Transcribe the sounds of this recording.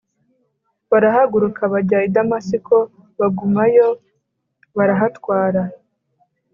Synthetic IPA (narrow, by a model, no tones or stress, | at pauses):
βaɾaɦaɡuɾukʰaβaɟaidamasiko | βaɡumajo̞ | βaɾaɦatwaːɾa